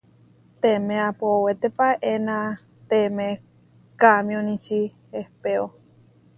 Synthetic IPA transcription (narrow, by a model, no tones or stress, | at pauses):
t̪emẽapowet̪epaʔenã | t̪emẽ | kamj̃õnĩt͡ʃihehpeo